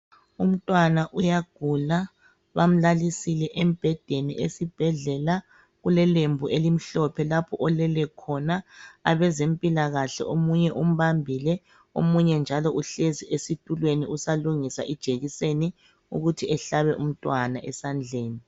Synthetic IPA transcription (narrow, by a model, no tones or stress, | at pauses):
um̩tʼwanaʔujaɡ̥ʱula | βam̩lalisilɛʔemib̥ʱɛd̥ʱenḭʔesib̥ʱɛɮɛla | ɣulɛlembʱuʔelim̩ɬɔpʰɛlapʰɔʔɔlɛlɛkʰɔnaːβɛzempʼilaɣaɬɛ̰ʔomuɲɛʔum̩βambʱilɛ | o̰muɲɛnd͡ʒʱalɔʔuɬeziʔesitʼulweniʔusaluŋisaʔid̥ʒ̥ʱeɣiseni | ṵɣutʰiɛɬaβɛʔum̩tʼwanaʔɛsand͡ɮʱeːni